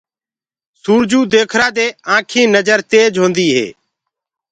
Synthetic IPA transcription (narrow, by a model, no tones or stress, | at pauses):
suːɾd͡ʒuːd̪eːkʰɾaːd̪eːãːkʰĩːnəd͡ʒəɾt̪eːd͡ʒɦõːnd̪iːɦḛː